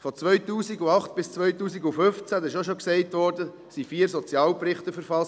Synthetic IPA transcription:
fɔt͡sʋœʏtuːsiɡuɑχtb̥ɪst͡sʋœʏtuːsiɡufʏft͡sædɪʃoʃoksɛɪtʋɔɾdə | sifiːəɾsɔt͡sjɑːlpɾɪχtəfəɾfɑs

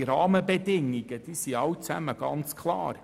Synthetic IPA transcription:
ɾɑːməbɛd̪ɪŋːiɡ̥əd̥iːsiɑwt͡sæ̰məɡ̥ɑnt͡skʰlɑ̰ːɾ

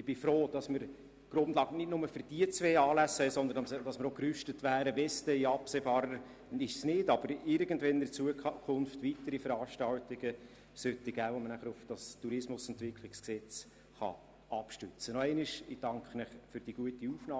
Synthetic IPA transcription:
ɪb̥ɪfɾoːd̥ɑsməɾ | ɡ̥ɾʊndlɑːɡənɪtnʊməfəɾd̥iət͡sʋeːɑːlæshɛɪsɔnd̪ənd̥ɑsməɾokrʏʃtətʋæːɾəvɛstɛjɑpseːbɑːɾəɾ | ɪʃsnɪdɑb̥əɾɪɾɡ̥əndvɛndɪt͡suəkʰʊnftʋitəɾifəɾɑːʃtɑltɪɡ̥ə | sœtːɪɡ̥æːʋomənæχəɾʊfd̥ɑstuɾɪsmʊsɛntvɪkʰlɪksksɛt͡s | χɑ̰ | ɑpʃtʏt͡sənɔɛɪnɪʃɪd̥ɑŋkχənɛχfʏɾd̥iɡ̥uətiufnɑː

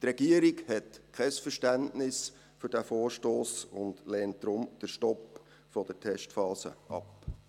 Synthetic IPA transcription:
trɛɡiəɾikhɛtkʰɛsfəɾʃtæntnɪs | fʏɾd̥æfoːɹʃtoːsʊndlɛːnt̚d̪̥ɾʊmd̥əʃtɔp | fɔd̥ətʰɛʃtfɑːzə̰ʔɑp

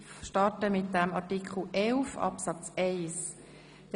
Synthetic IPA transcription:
ʃtɑtəmɪt̚d̥ɛmɑtikχl̩ʔɛlfɑ̰psɑt͡seɪs | d̥

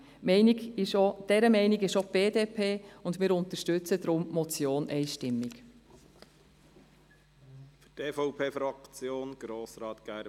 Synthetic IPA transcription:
mɛɪnɪɡɪʃod̥ɛɾəmɛɪnɪɡɪʃob̥eːdeːpʰeːʊndmɪːɾʊnt̪əʃtʉt͡sədɾʊmmɔt͡sjoːnʔɛɪʃtɪmːɪɡ | fyteːfɔʊpʰeːfɾɑkt͡sjoːnɡ̥ɾoːsɾɑːt̪ɡ̥æɾ

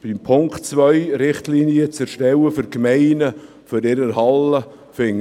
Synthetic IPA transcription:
b̥ɪmpʰʊŋktt͡svœʏɾɪχtliniət͡sɛɾʃtɛwəfʏɾkmɛɪnə | føɾɪɾəɾhɑlə | fɪŋ

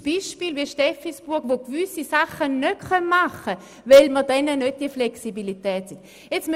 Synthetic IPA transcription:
b̥iːʃpiːlviʃtɛfisb̥uɐɡvokvʏsisaχənœtχœnmaχə | vɛlmədɛnənøt̚d̥iəflɛksibilitɛːtsin | jɛt͡sm

